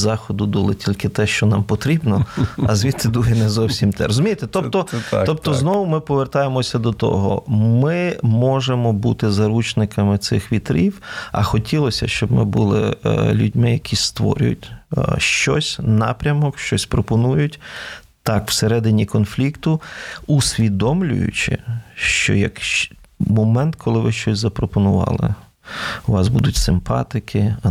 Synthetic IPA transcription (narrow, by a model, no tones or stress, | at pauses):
zɑxɔd̪ʊd̪ulˠɪtʲilʲkɪt̪ɛʃt͡ʃɔnɑmpɔt̪ɾʲibnɔɐzʋʲit̪ɪd̪uɦɛnɛzɔwsʲimt̪ɛ̰ɾɔzʊmʲijet̪ɛt̪ɔt̪ɔɔp̚t̪ɔznɔwʊmɪpɔʋert̪ɑjemɔsʲɐd̪ɔt̪ɔ̰ɦɔ̰mɪmɔʒemɔbut̪ɪzɐɾut͡ʃnɪkɐmɪt̪sɪxʋʲit̪ɾiwɐ̰xɔtʲilˠɔsʲɐ̰ʃt͡ʃɔbmɪ̰bulˠɪ̰lʲudʲmɪjɐkʲʰist̪ʋɔ̰ɾʲjʊ̰tʲʃt͡ʃɔsʲnɑpɾʲɐmɔkʃt͡ʃɔsʲpɾɔpɔnujʊtʲ | t̪ɑkw̥seɾɛd̪ɪnʲikɔnflʲikt̪ʊusʲʋʲid̪ɔmlʲʊ̰jʊ̰t͡ʃɪ̰ʃt͡ʃɔ̰jɐkʃmɔmɛnt̪kʰɔlˠɪʋɪʃt͡ʃɔsʲzɐpɾɔpɔnʊʋɑ̰lˠɪ̰ | ʊʋɑzbud̪ʊtʲsɪmpɑ̰t̪ɪkʰɪ